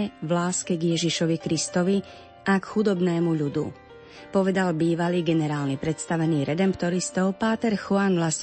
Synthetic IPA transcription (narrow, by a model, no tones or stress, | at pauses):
ɛʋlaːskɛɡjɛʒiʃɔʋikɾist̪ɔʋi | akxud̪ɔbnɛːmuʎud̪ṵ | pɔʋɛd̪albiːʋaliːɡɛnɛɾaːlnipɾɛt̪st̪aʋɛniːɾɛd̪ɛmpt̪ɔɾist̪ɔʊpaːt̪ɛɾxɔanʋlas